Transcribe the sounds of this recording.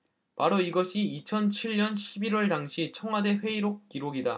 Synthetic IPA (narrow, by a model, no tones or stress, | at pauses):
paɾoiɡʌɕʰiːt͡ɕʰʌnt͡ɕʰiɭɲʌnɕʰibiɾwʌɭtaŋɕʰit͡ɕʰʌŋwade̞ɸwe̞iɾok̚k͈iɾoɡida̰